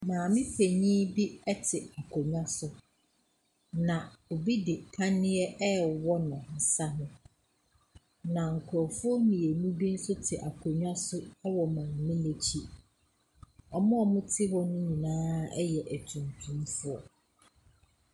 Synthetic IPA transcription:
mãː˨mɪ̃˦pʰe˨ɲĩ˦bi˦ɛ˦tʰɪ˨a˨kʰo˨ɲᶣã˦sʊ˦ | nã˨o˨bi˦dɪ˨pʰa˦nɪ̃˦ɛ˦ɛ˦wɔ˦nʊ̃˨n̩˨sa˦nʊ̃˦ | nã˨ŋ̩˨kʰʊ˨ɾɔ˨fʊ˦ɔ˦nĩ˨e˨nũ˦bi˦n̩˦sʊ˦tʰɪ˨ʔa˨kʰo˨ɲᶣã˦sʊ˦ɛ˦wɔ˨mãː˨mɪ̃˦le˨t͡ɕʰi˦ | ɔ˨mʊ̃˦ɔ˨mʊ̃˦tʰɪ˦wɔ˦nʊ̃˦ɲĩ˨nãː˦ɛ˦jɛ˨ʔæ˨tʰũ˨ntʰũ˦mfʊ˦ɔ˨

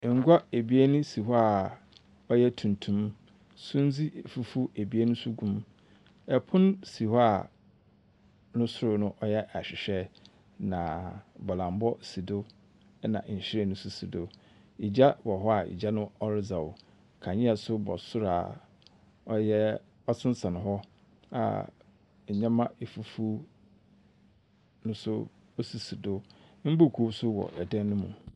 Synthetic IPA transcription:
ŋ̩˨ɡʷa˦e˨bi˦e˦nũ˦si˨ɦɔ˦a˦˨ | ɔ˦jɛ˦tʰũ˨n˨tʰũ˦m | sũ˦n˦d͡zi˦˨fu˨fu˦e˨bi˦e˦nʊ̃˦sʊ˦ɡũ˦m | ɛ˨pʰʊ̃˦n˦si˨hɔ˦a˨ | nʊ̃˦sʊ˦ɾʊ˨nʊ̃˦ʔɔ˦jɛ˦ʔa˨ɕᶣɪ˨ɕᶣɛ˦ | nã̰˨bɔ˨lã˨m˦bɔ˦si˨do˦ | nã̰˨ɲ̩˨ɕɪ˦ɾɛ˨nʊ̃˦sʊ˦si˨do˨ | i˨d͡ʑa˦bɔ˨ɦɔ˦a˨ḭ˨d͡ʑa˦nʊ̃˦ɔ˦ɾɪ˦za˨wʊ˨ | kʰã˨ɲĩ˦a˨sʊ˦bɔ̰˨sʊ˦ɾaː˨ | ɔ˦jɛ˦ | ɔ˦t͡sʰɪ̃˦n˦sa˨nʊ̃˨ɦɔ˦ | a̰˨ | ɲ̩˨ɲã˦mã˦e˨fu˨fu˦ | nʊ̃˦sʊ˦ | o˦su˨si˨do˦m̩˦bo˦˨kʰu˦sʊ˦wɔ̰˨ʔɛ˨dã˦n˦nʊ̃˦mṵ̃˨

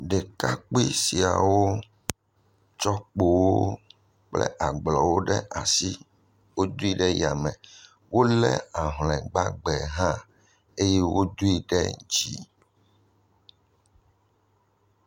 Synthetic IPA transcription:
ɖɛ˨ka˦k͡pi˦si˨a̰˨wo˦ | t͡ʃɔ˦k͡po˨wo˦ | k͡plɛ̰˦ʔa˨ɡ͡blɔ˨wo˦ɖɛ˦ʔa˨si˦ | wo˦d̪u˦i˦ɖɛ˦ja˨mɛ̃˨ | wʔo˦lɛ̰˦a˨ɦlɛ̃˨ɡ͡ba˦ɡ͡bɛ˨ɦã˦ | e˦jɛ˦wo˦d̪u˦i˦ɖɛ˦d͡ʑi˨

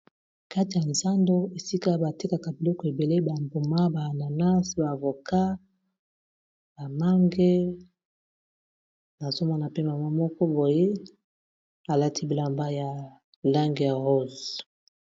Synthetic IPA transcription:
ka˦ti˨ja˨nza˦ndo˦e˨si˦ka˦ba˨ti˦ka˨ka˨bi˨lɔ˦kɔ˨e˨be˨le˦ba˨mbu˨ma˦ba˨na˨na˦sba˨vo˨ka˦ | ba˨ma˦ŋɡe˦ | na˨zo˦ma˦na˨pe˦ma˨ma˦mɔ˦kɔ˦bo˨je˦ | a˨la˦ti˦bi˨la˨mba˦ja˨ | la˦ŋɡe˨ja˨ʁo˦z

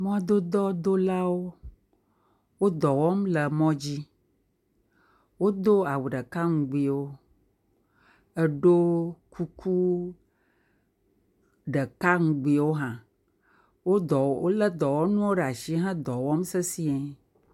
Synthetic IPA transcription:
mɔ̃˦d̪o˦d̪ɔ˦d̪o˦la˦wo˦ | wo˦d̪ɔ˨wɔ˦mlə˨mɔ̃˦d͡ʑi˦ | wo˦d̪o˦a˨wu˨ɖə˨ka˦ŋũ˨ɡ͡bi˨˦wo˦ | ə˦ɖo˦ku˦kʰu˦ | ɖə˨ka˦ŋũ˦ɡ͡bi˨wo˦ɦã˨ | wo˦d̪ɔ˨wo˦lə˦d̪ɔ˨wɔ˦nũ˦wo˦ɖa˨ʃi˦ɦã˦d̪ɔ˨wɔ˦msɛ˦si˦ɛ˨

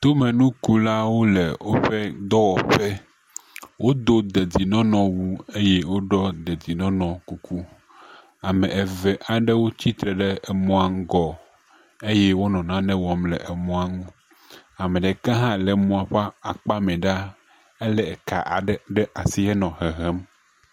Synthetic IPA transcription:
t̪o˦mɛ̃˨nũ˦ku˦la˦wo˦le˨wo˦ɸe˦d̪ɔ˦wɔ˨ɸe˦ | wʔo˦d̪o˦d̪e˨di˨nɔ̃˦nɔ̃˨wu˦e˦je˦wo˦ɖɔ˦d̪e˨di˨nɔ̃˦nɔ̃˨ku˨ku˦ | a˨mɛ̃˨ʔe˨vɛ˨ʔa˨ɖɛ˦wo˦t͡ɕi˦t̪ɾɛ˨ɖɛ˦ɛ˨mɔ̃˦a˦ŋ̩˦ɡɔ˨ | e˦jɛ˦wo˦nɔ̃˨nã˦nɛ̃˦wɔ˨mlɛ˨ʔe˨mɔ̃˦a˦ŋũ˦ | a˨mẽ˨ɖe˨ka˦ɦã˦lɛ˨mũ˦a˨ɸa˦a˨k͡pa˦mɛ̃˨ɖa˦ | e˦lɛ˨ɛ˨ka̰˨ʔɖɛ˦ʔa˨si˦ɛ˦nɔ̃˨ɦe˨ɦɛ˦m

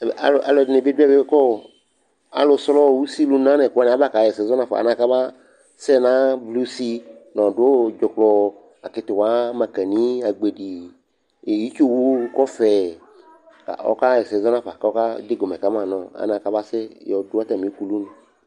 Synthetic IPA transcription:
a˨lʔa˨lɔ˨dne˨be˦du˦ɛ˦˨be˦kɔ˦˨ | a̰˨lo˨˧slɔ˦˨wu˦si˦lu˦nã˦nɛ̃˨knɛ˨a˨˦ba˦˨ka˨jɛ˨sɛ˨zɔ˦nã˦fa̰˨nã˨ka˦ba˦ | sɛ˦nã˦blu˦si˦nɔ̃˨do˦d͡ʒɔ˨klɔ˧ | a˨kɪ˨˦t̪ʊ˨wa˨˦mã˨kɛ˨nĩ˦a˨ɡ͡be˨di˨ | e˨ji˦t͡ʃo˦wu˦kɔ˦fɛ˨ | ka̰˨ɔ̰˦ka˦jɛ˨sɛ˨zɔ˦nã˦fa˨ka˨˦ɔ˦ka˦de˦ɡo˨mɛ˨ka˦m˦ã˨nɔ̃˨a̰˦nã˨ka˦ba˦sɛ˦jɔ˨da˦t̪a˨mĩ˨˦ku˨lu˦nũ˨

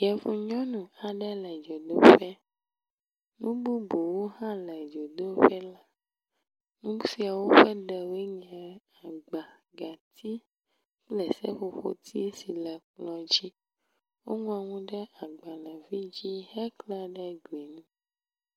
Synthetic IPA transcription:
jɛ˨fũ˨ɲɔ̃˦nũ˨a˨ɖɛ˦lɛ˨d͡ʒɔ˨d̪o˦ɸɛ˦ | nũ˦bu˦bo˨wo˦hã˦lɛ˨d͡ʒo˨d̪o˦ɸɛ˦la˦ | nũ˦bu˦si˦a˨wo˦ɸɛ˦ɖɛ˨we˦ɲɛ̃˨ | a˨ɡ͡ba˨ɡa˨t̪ʰi˦ | k͡plɛ˨sɛ̰˦ɸo˨ɸo̰˦t̪ʰi˦si˨lɛ˨k͡plɔ̃˨d͡ʑi˦ | wo˦ŋũ˦a˨ŋũ˦ɖɛ˦a˨ɡ͡ba˨lɛ˨vi˦d͡ʑi˦ɦɛ˦klɛ˦ɖɛ˦ɡu˨i˨nũ˦

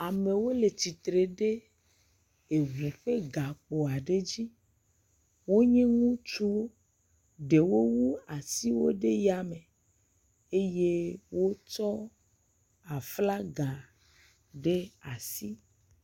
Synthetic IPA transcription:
a˨me˨wo˦le˨t͡ɕi˨t̪ɾe˨ɖe˦ | e˨ŋũ˨ɸe˦ɡa˨k͡po˨a˨ɖe˦d͡ʑi˦ | wo˦ɲɛ̃˦ŋũ˦t͡ʃu˦wo˦ | ɖe˨wo˦wu˦a˨si˦wo̰˦ɖe˦ja˦me˨ | e˦je˦wo˦t͡ʃɔ˦ | a˨fla˦ɡã˨ | ɖe˦a˨si˦

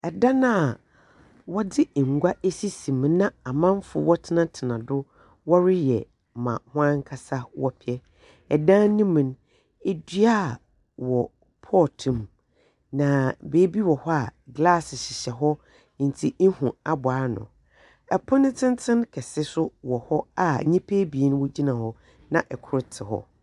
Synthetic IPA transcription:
ɛ˨dã˦nã˦a˨ | wɔ˦dɪ˦˨ŋ̩˨ɡʷa˦e˦si˦sĩ˨m˨nã˦a˨mã˦ɱ˦fʊ˨˦wɔ˦tʰɪ˦nã˦tʰɪ˨nã˨dʊ˦ | wɔ˦ɾɪ˦jɛ̰˨ | mã̰˨hʊ̃˦ã˦ŋ˦kʰa˦sa˦wɔ˦pʰɪ˨ɛ˦ | ɛ˨dãː˦nĩ˦mĩ˨n | e˦dɥa˦˨ | wɔ˨ | pʰɔː˦˨tʰũ˦˨m | nã˨beː˨˦bi˦wɔ˨hɔ˦a˨ɡla˦˨sɪ˨ɕɪ˨ɕɛ˨ɦɔ˦˨ | n̩˨tʰi˦n̩˦hũ˨a˨bʊ˨aː˨˦nʊ̰̃˨ | ɛ˨pʰʊ˦nɪ̃˦tʰɪ̃˦n˦tʰɪ̃˦nkʰɛ˨sɪ˦sʊ˦wɔ˨hɔ˦a˨ɲĩ˦pʰe˦bi˨e˨nʊ̃˦wɔ˦d͡ʑi˦nã˨hɔ˦ | nã˨ʔɛ˨kʰʊ˦ɾɪ˦tʰɪ˨ɦɔ̰˦

